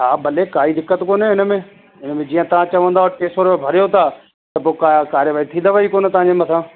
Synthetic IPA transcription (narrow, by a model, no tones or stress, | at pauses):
ɦaːbɐlekaːid̪ɪkːət̪koːnɦɛɪnəmẽː | ɪnəmẽd͡ʑiːə̃t̪ɐʋ̤ãt͡ɕɐʋə̃nd̪aɦoːɾʈeːsoːɾmẽbʱɐɾjot̪ʰaː | t̪ɐpoːkakaːɾjəʋaːit̪ʰĩːnd̪əʋaːikoːnt̪ɐʋ̤ãɲd͡ʑemɐt̪ʰãː